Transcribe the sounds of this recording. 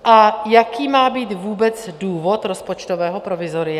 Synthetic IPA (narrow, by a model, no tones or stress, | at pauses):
ʔajakiːmaːbiːt̪vuːbɛt͡sduːvot̪ɾospot͡ʃt̪ovɛːɦopɾovɪzoɾɪa